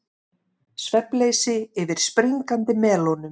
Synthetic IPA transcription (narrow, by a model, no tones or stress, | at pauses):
svɛpleːjsɪɪvɪɾ̥spɾiŋkant̪ɪmɛːlownʏm